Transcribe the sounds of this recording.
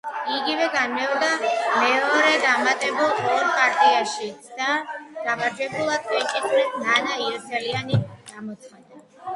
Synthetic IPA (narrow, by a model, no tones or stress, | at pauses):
iɡivɛɡanmɛɔɾd̪amɛɔɾɛd̪amat̪ʼɛbulˠɔɾpʼaɾt̪ʼiaʃid̪̥aɡ̥avaɾd͡ʒɛbulˠad̪vɛt͡ʃʼit̪ʼuɾisnanaiɔsʰɛlianiɡ̥amɔt̪sʰχad̪a